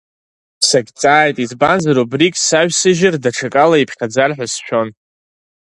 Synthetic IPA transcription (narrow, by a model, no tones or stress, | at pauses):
saɡʲt͡sʼaːjtʼizbanzaɾubrikʼsaɥᶣsɨʒɪrdaʈ͡ʂʰakʼalaipʰχʲad͡zarħʷᶣasʃᶣo̞n